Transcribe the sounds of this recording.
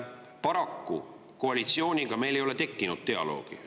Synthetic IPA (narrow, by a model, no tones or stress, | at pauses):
pɑɾɑkːu | ko̞ɑlʲit̪sio̞ːnʲiɡ̥ɑme̞jlejo̞le̞t̪e̞kːinud̪̥̚t̪e̞ɑ̰lo̞̰ːɡ̥ḭ